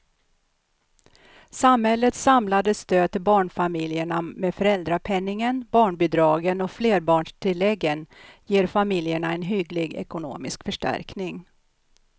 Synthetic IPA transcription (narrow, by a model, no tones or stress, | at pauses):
samhɛlːət̪samlad̪əst̪øːd̪̚t̪ʰɪlbɑːɳfamɪljəɳamefœɾɛld̪ɾapʰɛnːɪŋənbɑːɳbʏd̪ɾɑːɡənɔfleːɾbɑːɳʂʈʰɪlːɛɡːənjeːɾfamɪljəɳaɛnɦʏɡlɪɡɛ̰kʊno̰ːmɪskfœʂʈæ̰ɾknɪŋ